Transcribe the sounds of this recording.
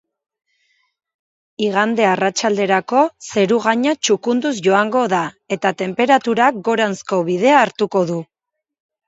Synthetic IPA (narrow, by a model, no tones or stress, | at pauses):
iɣand̪e̞arat͡ʃald̪e̞ɾako̞se̞ɾuɣaɲat͡ʃukund̪uzʝo̞aŋɡo̞ða | e̞t̪at̪e̞mpe̞ɾat̪uɾakɡo̞ɾansko̞βið̞e̞aːɾt̪uko̞ðu